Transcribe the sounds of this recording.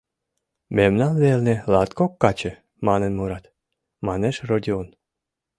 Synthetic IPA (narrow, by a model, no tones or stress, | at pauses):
memnɑnβelnĕlɑt̪kokːɑt͡ɕĕ | mɑnənmuɾɑt̪ | mɑneʃrod̪ʲion